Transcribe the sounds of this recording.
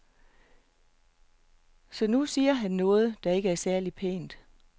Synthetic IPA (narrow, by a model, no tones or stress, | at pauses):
sɒ̽nusiːɐɦænːɔ̽ːð̞̩ˠd̥ɑ̈e̝ɡəæɐsæɐlipʰḛːnd̥